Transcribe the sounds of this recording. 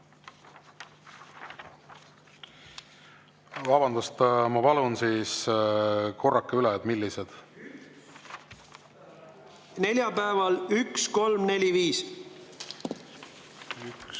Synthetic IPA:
vɑbɑnd̪̥ust̪mɑpɑlunsiːs | kʰo̞rːɑkːeyleɑd̪̥milːised̪̥ | ne̞lʲjɑpæevɑlyksko̞lmne̞lʲiviːs

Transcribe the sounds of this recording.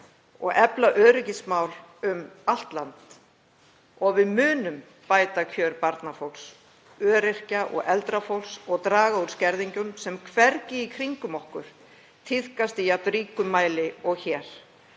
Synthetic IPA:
ɔ̰ɣɛplaʔœːɾɪcɪsmaːwlʏmal̥t̪lant̪ | ɔɣvɪðmʏːnʏm | paːjt̪acʰœːɾpaɾt̪nafowls | œːɾɪr̥caʔɔ̰ɣʔɛlt̪ɾafowlsɔɣt̪ɾaːɣauɾ̥scɛɾðiɲcʏmsɛmkʰvɛɾcɪikʰɾiŋkʏmɔhkʏɾ̥ | t̪ʰɪð̥kast̪ijat̪ɾiːkʏmːaːjlɪɔɣçɛːɾ̥

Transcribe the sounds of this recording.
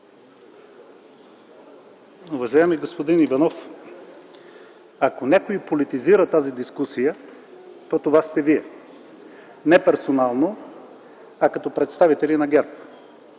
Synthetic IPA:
ʊvɐʒajɛmiɡospod̪inivɐnɔf | akonʲɛkoipolit̪iziɾət̪azid̪iskusijə | t̪ot̪ovast̪ɛviɛ | nɛpɛɾsonalˠno | ɐkɐt̪ɔpɾɛt̪st̪avit̪ɛlinɐɡʲɛɾp

